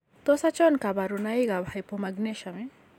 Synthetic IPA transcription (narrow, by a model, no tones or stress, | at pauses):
t̪ɔsat͡ʃɔnkabaɾunajɡabhajpɔmaɡneʃame